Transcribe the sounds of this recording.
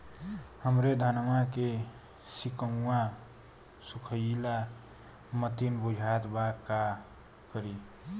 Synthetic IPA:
həmɾed̪ʱənmake | sikəŋwa | sukʰəla | mət̪inbud͡ʒʱat̪baka | kəɾi

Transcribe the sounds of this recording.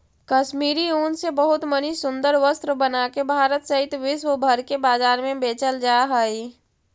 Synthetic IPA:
kɐʃmiːɾioːnsebəɦʊt̪mənisʊ̃nd̪əɾʋəst̪ɾəbənaːkebʱaːɾət̪səɦɪt̪ʋɪʃwəbʱəɾkebaːzaːɾmẽbeːt͡ʃəld͡ʒaːɦaːiː

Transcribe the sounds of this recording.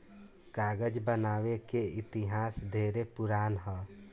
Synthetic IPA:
kaːɡəd͡ʒbənaːwekeɪt̪ɪɦaːsd̪ʱeːɾepʊɾaːnɦɔː

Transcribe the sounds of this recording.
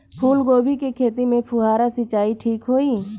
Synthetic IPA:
pʰuːlɡoːbʱikikʰeːt̪imẽpʰuɦaːɾasɪt͡ʃaːiʈʰiːkɦoːiː

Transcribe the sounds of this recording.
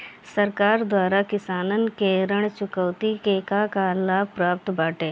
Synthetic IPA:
sɐɾkaːɾd̪waːɾakɪsaːnənkeɾəɽ̃t͡ʃʊkəːt̪ikekakalaːbpɾaːp̚t̪baːʈeː

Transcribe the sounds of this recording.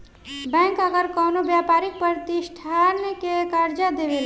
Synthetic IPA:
bɛ̃ːŋkəɡəɾkɔnobjapaːɾik̚pəɾt̪isʈʰaɾnəkekəɾd͡ʒad̪eʋel

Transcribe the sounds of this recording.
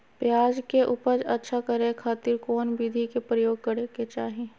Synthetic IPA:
pjaːd͡ʒkeʔʊpəd͡ʒɐtːʃʰakɐɾekʰaːt̪ɪɾkoːnbiːd̪ʱikepɾəjoːɡ̚kəɾeket͡ʃaːɦie

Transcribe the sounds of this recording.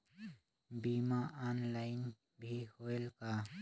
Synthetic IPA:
biːmaʔaːnlaːɪn | bʱihoːelkaː

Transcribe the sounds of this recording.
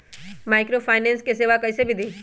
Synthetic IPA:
maːɪkɾoːpʰaːɪnɛ̃ːnskeseːʋakɐɪsebʱid̪iː

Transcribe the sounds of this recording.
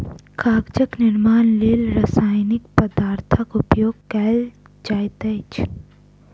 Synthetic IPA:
kʰaːɡd͡ʒəknɪɾmaːnleːlɾɐsaːjnɪkpəd̪aːɾt̪ʰəkʊpjoːɡ̚kɛl | d͡ʒaːjt̪ɐːt͡ʃʰ

